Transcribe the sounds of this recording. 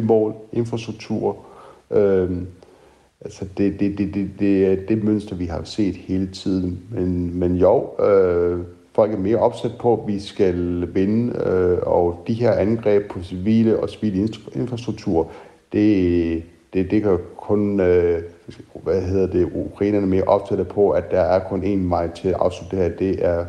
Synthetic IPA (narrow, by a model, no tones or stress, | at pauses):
emɒ̰ːle̝nfʁɑ̈sd̥ʁuɡ̥̚t͡sʰṵːɐ̰ʔø | ælsəd̥e̝d̥e̝ded̥ed̥e̝æɐd̥e̝møn̰sd̥ɐʋiɦɑ̈se̝̰ːd̥he̝ːlət͡sʰið̞̰ˠn̩menmenjoʊ̰ø | fɒ̽l̰ɡ̥æɐme̝ːɐʔɒ̽b̥sæd̥̚pʰɒ̽ʋisɡ̥ælʋe̝nəɒd̥iɦe̝ɐ̰ʔænɡ̥ʁɛ̰ːb̥̚pʰɒ̽siʋḭːləʔɒ̽siʋḭːləe̝nfʁɑ̈sd̥ʁuɡ̚t͡sʰuɐ | d̥e̝ | d̥ed̥e̝ɡ̥ɐkʰɔ̽nø | ʋæɦe̝ð̰ˠɐd̥eʔukʰʁḛːnɐnəme̝ːɐʔɒ̽b̥sæɾ̥ðˠpʰɒ̽æd̥ɑ̈æɐkʰɔ̽ne̝ːnʋɑ̈ɪ̰t͡sʰe̝lʔɑ̈ʊslu̥d̥eeɐɐd̥e̝ʔæɐ